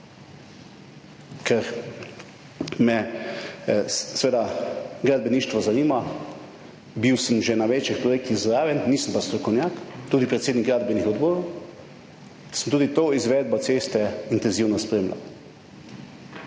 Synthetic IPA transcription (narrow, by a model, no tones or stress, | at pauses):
kʰɛɾ | mɛ | sʋeːd̪aɡɾad̪̚bɛniːʃt̪ʋɔzaniːma | biwsəmʒɛnaʋet͡ʃixpɾɔjeːk̚t̪iɣzɾaːʋjɛnːiːsəmpast̪ɾɔkɔwnjaːkt̪uːd̪ipɾɛt̪seːd̪nikɡɾaːd̪bɛnixɔd̪boːɾow | səmt̪uːd̪it̪oːizʋɛːd̪̚bɔt̪seːst̪ɛint̪ɛnziwnɔspɾeːmla̰